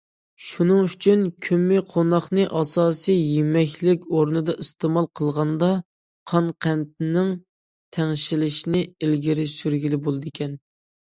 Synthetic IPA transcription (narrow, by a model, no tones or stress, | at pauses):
ʃunɨŋyt͡ʃʰynkʲʰømːɪqʰonɑχnɨʔɑsɑːsɨjjemɛkʲʰlɪkʲoɾnɨd̪ɑʔist̪emɑlˠqʰəlˠʁɑnd̪ɑ | qʰɑnqʰænt̪̚ɪnɪŋ | t̪ʰɛŋʃilɪʃinɪelɡʲiɾɪsyɾɡʲilɪbolˠɨd̪ɨɪkʲʰɛn